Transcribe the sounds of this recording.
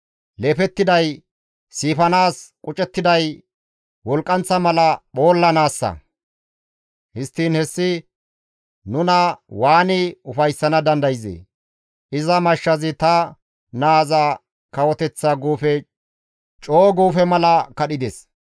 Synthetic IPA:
leːfɛt̪ːɪd̪ɐj | siːfɐnaːskʼʊt͡ʃʼɛt̪ːɪd̪ɐj | wɔlkʼːɐnt͡sːɐmɐlɐɓo̞ːlːɐnaːsːɐ̰ | hɪst̪ːiːnhɛsːɪ | nʊnɐwaːnɪʊfɐjsːɐnɐd̪ɐnd̪ɐjzḛː | ʔɪzɐmɐʃːɐzɪt̪ɐ | naːzɐ | kɐwɔt̪ɛt͡sːaɡuːfɛ | t͡ʃʼo̞ːɡuːfɛmɐlɐkɐɗɪd̪es

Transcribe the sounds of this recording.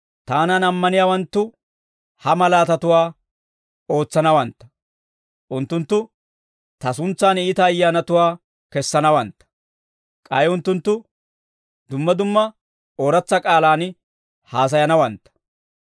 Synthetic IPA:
t̪aːnanɐmːɐnɪjaːwɐnt̪ːʊ | hɐmɐlaːt̪ɐt̪ʊwaː | o̞ːt͡sːɐnɐwɐnt̪ːɐ̥ | ʔʊnt̪ːʊnt̪ːʊ | t̪ɐs̬ʊnt͡sːaːnɪːt̪ɐːjːaːnɐt̪ʊwaː | kɛsːɐnɐwɐnt̪ːɐ̥ | kʼɐjʊnt̪ːʊnt̪ːʊ | d̪ʊmːɐd̪ʊmːɐ | oːɾɐt͡sːɐkʼaːlaːn | haːs̬ɐjɐnɐwɐnt̪ːɐ̥

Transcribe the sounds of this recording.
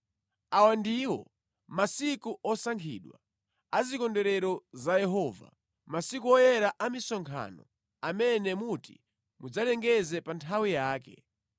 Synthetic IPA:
awandiwɔ̰ | masikuɔsaŋkʰḭɗwa̰ | azikɔndɛɾɛɾɔzajɛɦɔːva̰ | masikuɔjɛɾaʔamisɔŋkʰa̰nɔ̰ | amɛnɛmutḭ | mud͡zalɛŋɡɛzɛpantʰawijaːkɛ̰

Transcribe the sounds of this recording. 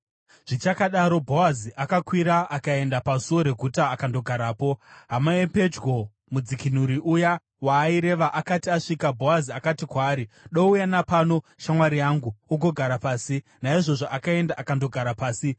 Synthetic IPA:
ʐ̥it͡ʃakaɗaɾo̞bʱo̞waziʔakakwiɾaakae̞ndapasuwo̞ɾe̞ɡʱutaːkando̞ɡʱaɾaːpo̞ɦamaepe̞d͡ʒɡo̞ | mud͡zikinuɾiʔuja | waːiɾe̞ʋaʔakatiaʂikabʱo̞aziakatikwaːɾiɗoujanapano̞ʃamwaɾijaŋɡuuɡʱo̞ɡʱaɾapaːsi | naiʐo̞ʐoʔakae̞ndaʔakando̞ɡʱaɾapaːsi

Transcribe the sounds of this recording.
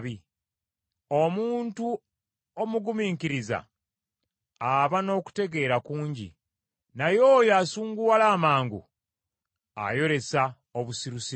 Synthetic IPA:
βi | o̞muːntu | o̞muɡumiːŋkiɾiza̰ | βano̞ːku̥te̞ɡe̞ːɾakuːɲɟḭ | najo̞ːjasuːŋɡuwalaːmaːŋɡṵ | a̰jo̞ɾe̞sa | oβusiɾusi

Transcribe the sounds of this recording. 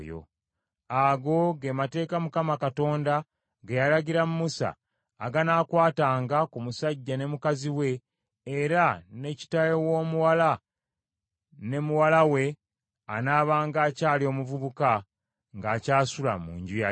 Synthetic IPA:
jo̰ | aɡo̞ɡemate̞ːkamukamakato̞ːnda | ɡejalaɟiɾamumusa̰ː | ɡanaːkwaːtaːŋɡakumusaɟːane̞mukaziwe̞ː | ɾane̞ci̥tajowo̞ːmuwala | ne̞muwalawe̞ | anaːβaːŋɡaːcaːlio̞ːmuvuβuka | ŋɡaːcaːsula̰mṵːɲɟuja

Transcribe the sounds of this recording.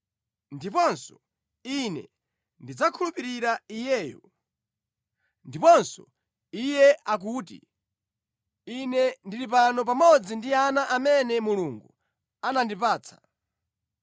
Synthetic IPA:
ndipɔnsɔ̥ | inɛ̰ | ndid͡zakʰulupiɾiɾaijɛːjɔ̰ | ndipɔnsɔ | ijɛak̬uːtḭ | inɛndiɾipanɔp̬amɔd͡zindianaʔamɛnɛmuluŋɡu | anandipaːt͡sʰḁ̰

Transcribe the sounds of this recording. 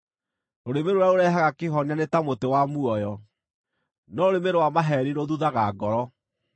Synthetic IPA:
oɾemeɾoɾaoɾɛɦaɣakeɦɔɲanetamotewamuɔjɔ | nɔoɾemeɾowamaɦɛɾiɾoðuðaɣaɡɔɾɔ

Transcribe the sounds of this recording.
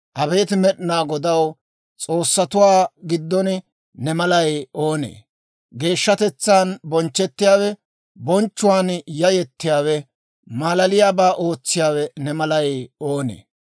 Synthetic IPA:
ʔɐbe̞ːt̪ɪmɛɗɪnaːɡɔd̪ɐw | t͡sʼo̞ːsːɐt̪ʊwaːɡɪd̪ːɔn | nɛmɐlɐjo̞ːnḛː | ɡe̞ːʃːɐt̪ɛt͡sːaːnbɔnt͡ʃːɛt̪ːɪjaːwɛ | bɔnt͡ʃːʊwaːnjɐjɛt̪ːɪjaːwɛ | maːlɐlɪjaːbaːʔo̞ːt͡sːɪjaːwɛnɛmɐlɐjoːnḛː

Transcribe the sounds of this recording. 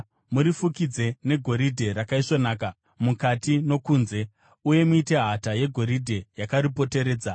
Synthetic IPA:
muɾifukid͡ze̞ne̞ɡʱo̞ɾidʱe̞ɾakaiʂonaːk̬a | mukatino̞kuːnze̞ | uje̞muite̞ɦataje̞ɡʱo̞ɾidʱe̞jakaɾipo̞te̞ɾe̞ːd͡za

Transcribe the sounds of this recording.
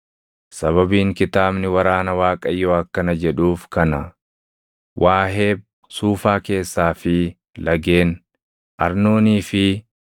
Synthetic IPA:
sɐβɐbiːŋkɪt̪aːbnɪwɐɾaːnɐwaːkʼɐjoːɐkːɐnɐd͡ʒɛᶑuːfkɐnɐ | wʔaːɦe̞ːb̚ | suːfaːke̞ːsːaːfɪ | lɐɡe̞ːn | ʔɐɾno̞ːniːfɪ

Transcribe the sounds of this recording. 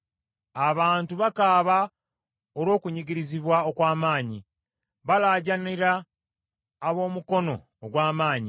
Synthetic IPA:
aβaːntuβakaːβa | olwo̞ːkuɲiɟiɾiziβwaokwaːmaːɲi | βalaːɟaniɾaː | βo̞ːmuko̞no̞ːɡwaːmaːɲi

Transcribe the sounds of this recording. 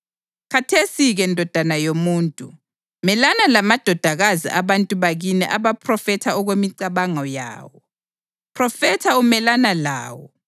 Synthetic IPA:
kʰatʰesiɣɛndʱɔd̥ʱanajomuːntʼu | mɛlanalamad̥ʱɔd̥ʱaɣazḭʔaβantʼuβaɣinɛ̰ʔaβapʰrɔfɛtʰaɔɣwemiǀaβaŋɔja̰ːwɔ | pʰrɔfɛtʰaumɛlanala̰ːwɔ̰

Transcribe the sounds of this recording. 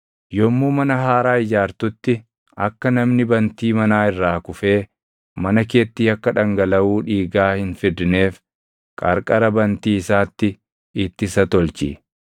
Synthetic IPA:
jɔmːuːmɐnɐɦaːɾaːɪd͡ʒaːɾt̪ʊt̪ːɪ | ɐkːɐnɐmnɪbɐnt̪iːmɐnaːɪrːaːkʊfe̞ː | mɐnɐke̞ːt̪ːiːɐkːɐᶑɐŋɡɐlɐwuːᶑiːɡaːhɪnfɪd̪ɪne̞ːf | kʼɐɾkʼɐɾɐbɐnt̪iːɪsaːt̪ːɪ | ɪt̪ːɪsɐt̪ɔlt͡ʃḭː

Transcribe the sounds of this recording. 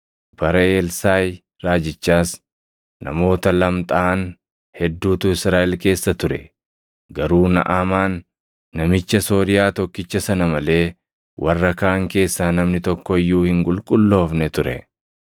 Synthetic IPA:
bɐɾɐeːlsaːj | ɾaːd͡ʒɪt͡ʃːaːs | nɐ̰mo̞ːt̪ɐlɐmt̪ʼaːn | hɛd̪ːuːt̪ʊɪsɾaːʔɛlke̞ːsːɐt̪ʊɾɛ̰ | ɡɐɾuːnɐ̰ʔamaːnː | ɐmɪt͡ʃːɐso̞ːɾɪjaːt̪ɔkːɪt͡ʃːɐsɐnɐmɐle̞ː | wʔɐrːɐkaːŋke̞ːsːaːnɐmnɪt̪ɔkːɔɪjːuːhɪŋkʼʊlkʼʊlːo̞ːfnɛt̪ʊɾɛ̰

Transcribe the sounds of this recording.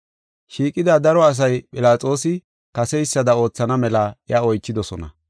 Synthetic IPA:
ʃiːkʼːɪd̪ad̪ɐɾɔɐs̬ɐjpʼɪlaːt͡sʼo̞ːsɪ | kɐsɛjsːɐd̪ɐo̞ːt͡sːɐnɐmɛlɐʔɛaɔjt͡ʃːɪd̪ɔsɔnɐ̰

